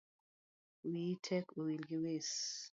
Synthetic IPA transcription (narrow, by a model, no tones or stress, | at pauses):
witʰɛkowilɡɪwes